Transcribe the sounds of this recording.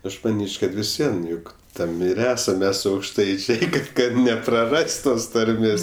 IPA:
ˈɐʃ mɐˈnʲiːt͡ʃʲ kɐt ʋʲɪs ˈʋʲiɛn ˈjʊk ˈtɐm ɪr ˈæːsɐm ˈmʲɛs ɐʊkʃˈtɐɪt͡ʃʲɛɪ kɐt kɐt nʲɛprɐˈrɐsʲtʲ ˈtoːs tɐrʲˈmʲeːs

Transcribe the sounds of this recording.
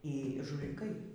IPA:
iː ʒʊlʲɪˈkɐɪ

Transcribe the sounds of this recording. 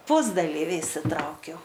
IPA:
ˈpʊzdɐlʲiːʋʲɪ ɪʃʲsʲɪˈtrɐʊkʲɛʊ

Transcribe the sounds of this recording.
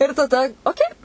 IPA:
ɪr tɐˈdɐ oːˈkʲɛɪ

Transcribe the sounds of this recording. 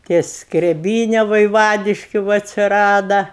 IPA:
ˈtʲiɛ skrʲɛˈbʲiːnʲɛ ʋɐɪˈʋɑːdʲɪʃʲkʲʊ ˈʋɐ ɐtʲsʲɪˈrɑːdɐ

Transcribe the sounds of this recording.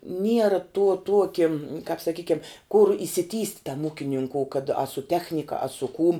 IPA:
ˈnʲiɛrɐ tuɔ ˈtuɔkʲɪ kɑːp sɐˈkʲiːkʲɛm kʊr ɪʃʲsʲɪˈtʲiːsʲtʲ tɐm ˈuːkʲɪnʲɪŋkoːʊ kɐt ɐ sʊ ˈtʲæːxʲnʲɪkɐ ɐ sʊ kuːm

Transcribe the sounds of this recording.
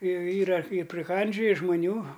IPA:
ˈjɛʊ ˈiːrɐ ɪ pʲrʲɪˈkɐnʲd͡ʒʲoːjɪ ʒmɐˈnʲuː

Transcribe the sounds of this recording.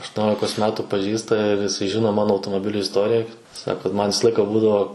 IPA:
ɐʃtuɔˈnʲoːlʲɪkoːs ˈmʲæːtʊ pɐˈʒʲiːstɐ ɪr jɪˈsɐɪ ˈʒʲɪnoː ˈmɑːnoː ɐʊtoːmoːˈbʲɪlʲʊ ɪsˈtoːrʲɪjɛ ˈsɑːkoː ˈmɐnʲ ˈʋʲɪsɐ ˈlˠɐɪkɐ ˈbuːdɐʋoː

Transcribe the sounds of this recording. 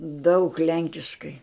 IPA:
dɐʊk ˈlʲɛŋʲkʲɪʃkɐɪ

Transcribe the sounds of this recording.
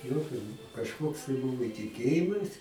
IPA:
ˈjoːkʲoː kɐʃˈkoːks tɐɪ ˈbʊʋoː tʲɪˈkʲeːjɪmɐs

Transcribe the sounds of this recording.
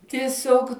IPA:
tʲiɛˈsʲoːk

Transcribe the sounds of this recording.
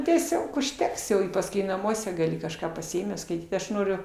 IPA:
tʲiɛˈsʲoːk ʊʃʲˈtʲɛks jɛʊ ɪ pɐsˈkʊɪ nɐˈmuɔsʲɛ ɡɐˈlʲɪ kɐʃˈkɑː pɐsʲɪˈeːmʲæːs skɐɪˈtʲiːt ˈɐʃ ˈnoːrʲʊ

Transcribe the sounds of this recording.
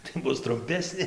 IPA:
tɐɪ ˈbʊs trʊmʲˈpʲæːsʲnʲeː

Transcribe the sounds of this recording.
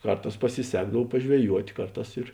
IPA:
ˈkɐrˌtɑːs pɐsʲɪˈsʲæːɡdɐw pɐʒʲʋʲɛˈjuɔtʲ ˈkɐrˌtɑːs ɪr

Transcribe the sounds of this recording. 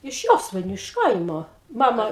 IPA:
ɪʃ ˈjoːsʋɐɪnʲʊ ɪʃ ˈkɐɪmoː ˈmɑːmɐ

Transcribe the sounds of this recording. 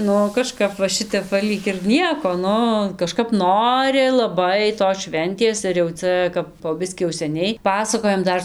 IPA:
ˈnʊ kɐˈʃkɐp ʋɐ ˈʃʲɪtʲɛp ˈʋɐ ˈlʲiːk ɪr ˈnʲiɛkoː ˈnʊ kɐˈʃkɐp ˈnoːrʲɪ lˠɐˈbɐɪ toːs ˈʃʲʋʲɛnʲtʲeːs ɪr jɛʊ ˈt͡sʲɛ kɐp poː ˈbʲɪsʲkʲiː jɛʊ sʲɛˈnʲɛɪ ˈpɑːsɐkoːjɛm ˈdɐr

